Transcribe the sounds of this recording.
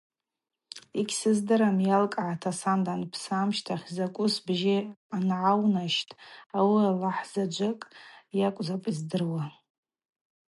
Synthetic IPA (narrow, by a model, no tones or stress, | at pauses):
ikʲsɨzdɨɾamjalkʼʕatʰasandanpʰsamʃtʰaχʲzakʷʼʊsbʒɪanʕawnaʃtʼawialaħz̥ad͡ʒʷakʼjakʷʼzapʼizdɨrwa